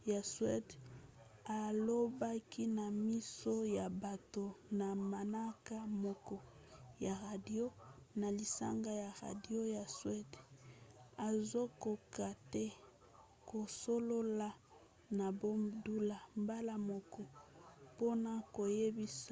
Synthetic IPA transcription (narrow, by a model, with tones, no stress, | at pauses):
ja˨swɛ˦d | a˨lo˦ba˦kʰi˦na˨mi˦so˦ja˨ba˨to˨na˨ma˨na˦ka˦mɔ˨kɔ˨ | ja˨ʁa˨di˦o˦na˨li˨sa̰˦ŋɡa˦ja˨ʁa̰˨di˦o˦ja˨swɛ˦d | a˨zo˦ko˨ka˨tɛ˦ | ko˨so˦lo˦la˦ | na˨bo˦mdu˦la˨mba˦la˦mɔ˨kɔ˨po˦na˨ko˨je˦bi˦s